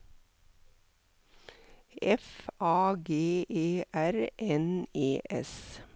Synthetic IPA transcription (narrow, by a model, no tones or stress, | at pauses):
ɛfʔɑːɡeːʔeːʔæɾʔɛneːʔɛ̰s